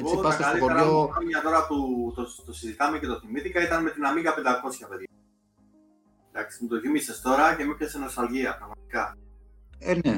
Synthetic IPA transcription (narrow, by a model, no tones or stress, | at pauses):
esitpɐsɐk̪sɐloitoeɾoɐɐt̪o̞ɾɐput̪ot̪osizit̪ɐme̞ce̞t̪oθimit̪ikɐit̪ɐnme̞t̪inɐmiŋɡɐpe̞nd̪ɐko̞sçɐpe̞ðʝɐ | d̪ɐkst̪imut̪oθimisest̪o̞ɾɐce̞mipesenost̪ɐlʝiɐpɾɐɣmɐt̪i̥kɐ | ene